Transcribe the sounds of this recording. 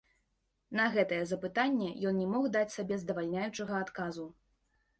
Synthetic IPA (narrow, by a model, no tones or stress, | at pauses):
nɐɣɛt̪ɐjɛzɐpɨt̪anʲːɛjɔnnʲɛmɔɣd̪at͡sʲsabʲɛzd̪ɐvalʲnʲajut͡ʂɐɣɐat̪kazu